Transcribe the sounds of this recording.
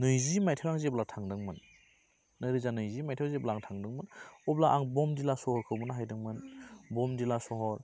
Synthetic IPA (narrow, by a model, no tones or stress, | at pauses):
nɯjzimajtʰɯwaŋzeblatʰaŋdɯŋmɯnː | ɯɾɯzanɯjzimajtʰeazeblaaŋtʰaŋdɯŋmɯnɔblaʔaŋbɔmdilasɔhɔɾkʰɯwbɯnaɦajdɯŋmɯnbɔmdilasɔɦɔɾ